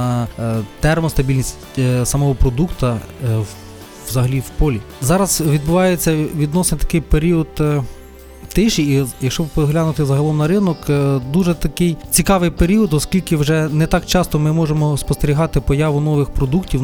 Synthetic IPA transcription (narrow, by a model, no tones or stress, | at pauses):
t̪ɛrmɔst̪ɐbʲilʲnʲisʲtʲ | sɐmɔɦɔpɾɔd̪ukt̪ɐ | ʋzɐɦɐlʲiwpɔlʲi | zɑɾɐz̥ʋʲid̪̚bʊʋɑjet͡sʲːɐʋʲid̪nɔsenʲt̪ɐ̥kɪjpeɾʲiɔd̪ | t̪ɪʃiijɐkʃt͡ʃɔbpɔɦlʲanʊt̪ɪzɐɦɐlˠɔmnɐɾɪnɔkd̪uʒɛt̪ɐkɪjt͡sʲikɑʋɪjpeɾʲiɔd̪ɔskʲilʲkɪwʒɛnɛt̪ɑkt͡ʃɑst̪ɔmɪmɔʒemɔspɔst̪eɾʲiɦɑt̪ɪpɔjɑʋʊnɔʋɪxpɾɔd̪uktʲiw